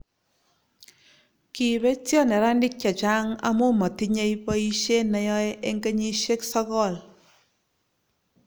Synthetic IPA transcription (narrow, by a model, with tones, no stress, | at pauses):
ki˨be˦tjɔ˦ne˨ɾa˦ndɪ˦k̚t͡ʃa˨t͡ʃa˦ŋa̰˦mo˦mɔ˨ti˦ɲe˦jpɔ˦i˦ʃe˦nɛ˨jɔ˦je˦ŋɡe˦ɲi˦ʃe˦ksɔ˦kɔ˦˨l